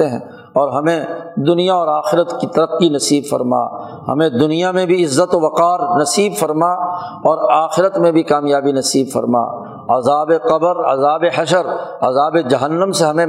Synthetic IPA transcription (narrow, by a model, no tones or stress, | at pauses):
eɦɛ̰̃ː | ɔːɾɦɐmẽd̪ʊnijaɔːɾaːxɪɾət̪kit̪ɐɾəqːinɐsiːbfɐ̰ɾma̰ː | hɐ̰mẽd̪ʊnijamẽbʱiɪzːət̪oʋɐqaːɾnɐsiːbfɐɾma | ɔːɾaːxɪɾət̪mẽbʱikaːmjaːbinɐsiːbfɐ̰ɾma̰ː | ɐzaːbeqɐbəɾɐ̰zaːbeɦɐʃəɾɐ̰zaːbed͡ʒɐɦənːə̃mseɦɐmẽ